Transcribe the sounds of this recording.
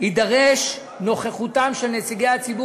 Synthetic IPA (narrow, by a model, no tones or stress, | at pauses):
hidaʁeʃ | no̞χeχutamʃelnet͡siɡejat͡sibu